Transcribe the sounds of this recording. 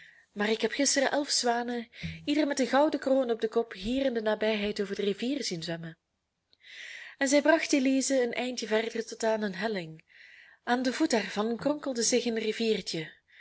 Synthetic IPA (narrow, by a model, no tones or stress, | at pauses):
maːrɪkɦɛpxɪstərəʔɛlˠfsʋaːnəidərmɛtənɣɑwdəkroːnɔb̚dəkɔpɦiːrɪndənaːbɛjɦɛjtoːvərdəriviːrzinzʋɛmə | ɛnzɛjbrɑxteliːzəənʔɛjntjəvɛrdərtɔtaːnənɦɛlɪŋ | aːndəvutaːrv̥ɑnkrɔŋkəlˠdəzɪxənriviːrtə